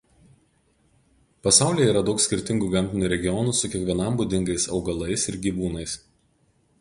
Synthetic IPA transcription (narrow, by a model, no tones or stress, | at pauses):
pɐsɑˑʊlʲiːjɛiːɾɐd̪ɒʊksʲkʲɪɾʲt̪ʲɪŋɡuɡɐmʲt̪ʲɪnʲuːɾʲɛɡʲɪjɔnuːsʊkʲiɛkʋʲiɛnɐmbud̪ʲɪŋɡɐɪsɒʊɡɐlˠɐɪsɪɾɡʲiʋuːnɐɪs